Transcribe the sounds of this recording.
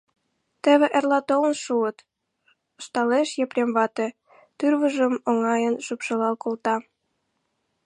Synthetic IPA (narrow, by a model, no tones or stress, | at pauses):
t̪ə̆βĕʔerlɑt̪olə̆nʃuət̪ | əʃt̪ɑleʃjeprʲemβɑt̪ĕ | t̪yrβəʒəmoŋɑjənʃypʃəlɑlkolt̪ɑ